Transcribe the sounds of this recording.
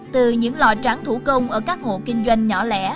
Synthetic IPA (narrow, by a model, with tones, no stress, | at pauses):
t̪ɨ˨˩ɲɨ̰˧˥ŋla̰˨t͡ɕa˨˦ŋt̪ʰu˧˩kə˧wŋ͡mʔəː˧˩kaː˦˥k̚ho̰˧˨kï˧ŋzwa˧jŋ̟ːɔ˧˩lɛ̰˧˥